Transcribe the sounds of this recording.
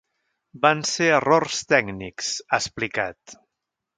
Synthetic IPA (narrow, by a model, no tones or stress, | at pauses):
banseərorst̪ɛɡniksəsplikat̪